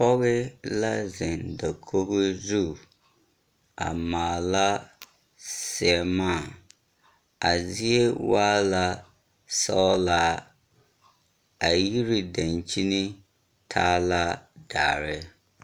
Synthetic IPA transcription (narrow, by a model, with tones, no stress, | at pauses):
pɔ˦ɣɪ˦la˦zɪ˨nda˨kʰo˦be˦zu˦˨ | a̰˨maː˨la˦ | sɪ˨ɛ˨maː˦˨ | a˨zi˦e˦waː˦la˦ | sɔ˦la˦ | a˨ji˦ɾi˨da˨nt͡ʃi˦ni˦ | tʰaː˦la˦daː˨ɾɪ˦